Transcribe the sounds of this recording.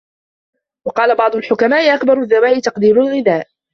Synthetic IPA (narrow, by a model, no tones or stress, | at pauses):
wɑqɑːlabɑʕd̪ˤʊlħʊkamaːʔɪʔakbɑɾˤʊðːawaːʔɪt̪ɑqd̪iːɾʊlɣɪd̪aːʔ